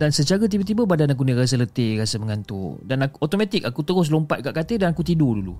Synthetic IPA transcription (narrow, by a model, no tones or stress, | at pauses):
dansət͡ʃaɾət̪̬ibət̪̬ibəbadanak̬uniɾas̬ələt̪ɪrasəməŋant̪ṵdanakuot̪omat̪ɪk̚akut̪əɣʊs̬lompa̰t̪̚kaʔkat̪edanakut̪idodulṵ